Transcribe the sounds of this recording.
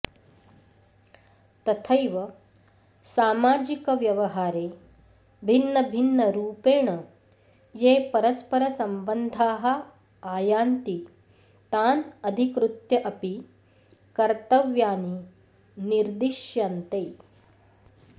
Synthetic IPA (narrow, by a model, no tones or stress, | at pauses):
t̪ɐt̪ʰɐjʋɐ | saːmaːd͡ʒikɐʋjɐʋɐɦaːɾeː | bʱinːɐbʱinːɐɾuːpeːɳɐ | jeːpɐɾɐspɐɾɐsɐmbɐnd̪ʱaːɦɐ̆ | aːjaːnt̪i | t̪aːnɐd̪ʱikɾut̪jɐʔɐpi | kɐɾt̪ɐʋjaːni | niɾd̪iʃjaːnt̪ej